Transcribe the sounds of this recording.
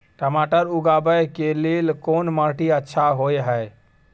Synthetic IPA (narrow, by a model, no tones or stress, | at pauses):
ʈəmaʈəɾuɡabəjkelelkonməɾʈiətːʃʰaɦojɦəj